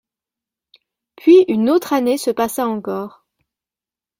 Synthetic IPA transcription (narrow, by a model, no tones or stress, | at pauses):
pʰɥiynot̪χanesəpasaɑ̃kɔːʁ